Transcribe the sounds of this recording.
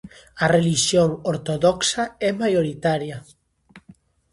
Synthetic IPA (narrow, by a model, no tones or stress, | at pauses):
areliʃjoŋoɾt̪oðɔksaɛmajoɾit̪aɾja